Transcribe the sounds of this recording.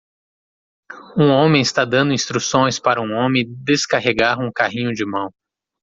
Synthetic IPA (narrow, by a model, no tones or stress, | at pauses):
ũõmẽj̃ɪst̪ad̪ɐ̃nd̪ʊĩst̪ɾusõj̃spaɾɐũõmẽd̪eskaɦeɡaɾũkaɦĩɲʊd͡ʒɪmɐ̃w̃